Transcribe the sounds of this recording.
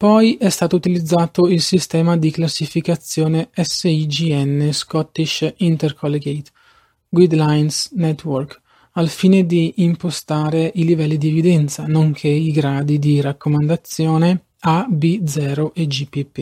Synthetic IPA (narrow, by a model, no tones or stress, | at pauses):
pɔjʔɛst̪aːt̪out̪ilid̪zːaːt̪oilsist̪ɛːmad̪iklasːifikat̪sːjɔːneɛsːeid͡ʒiɛnːeskɔt̪ːiʃint̪erkʰɔlːeɡejt̪ | ɡwid̪lajnsnɛt̪ːwɔrk | alfiːned̪iʔːmpost̪aːɾeʔilivɛlːid̪ievid̪ɛnt̪sanoŋkʰeiɡɾaːd̪id̪iɾakːomand̪at̪sjɔːne | abid̪zɛːɾoʔed͡ʒipːipːi